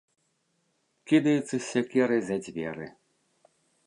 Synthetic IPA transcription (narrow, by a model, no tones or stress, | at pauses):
kʲid̪ɐjut̪sɨsʲɐkʲɛɾɨzʲɐd͡zʲvʲɛɾɨ̰